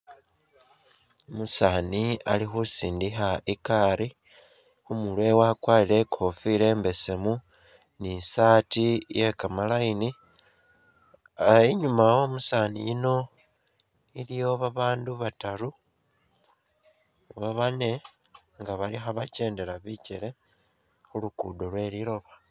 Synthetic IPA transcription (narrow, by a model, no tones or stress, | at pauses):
musaːnialixusiːndixaikaɾi | xumulwe̞wakwaːlile̞kʰo̞file̞ːmbe̞se̞mu | nisaːtije̞kamalajini | iɲumawo̞ːmusaːnijino̞ | ilijo̞βaβaːnduβatalu | βaβane̞ | ŋɡaβalixaβace̞ːnde̞laβiceɾe̞ | xulukudo̞lwe̞ːɾiɾo̞βa